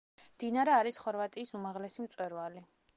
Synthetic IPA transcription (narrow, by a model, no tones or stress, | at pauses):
md̪inaɾɛaɾisχɔɾvat̪ʼiːsumaʁlɛsimt̪sʼwɛɾvali